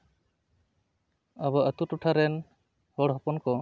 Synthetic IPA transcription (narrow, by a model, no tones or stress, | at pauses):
abaət̪utuʈʰaɾɛn | hɔɽɦɔpɔnkɔ